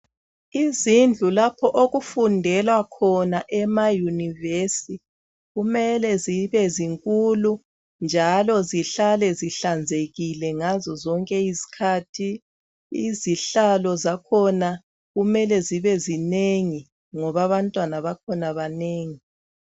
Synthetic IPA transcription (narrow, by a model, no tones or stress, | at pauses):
izind͡ɮʱulapʰɔʔoɣufundʱɛlwakʰɔnaʔɛmajunivesi | ɣumɛlɛziβɛziŋkʼulu | nd͡ʒʱalɔziɬalɛziɬand͡zʱeɣilɛŋazɔzɔŋkʼɛisi̥kʰaːtʰi | iziɬalɔzakʰɔna | ɣumɛlɛziβɛzineŋi | ŋɔβaβantʼwanaβakʰɔnaβaneːŋi